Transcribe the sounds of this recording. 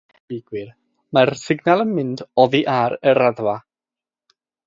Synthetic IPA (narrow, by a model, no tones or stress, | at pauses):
ɪɡwɪr | marsɪɡnalˠənmɪndɔðiʔaɾəɾaðva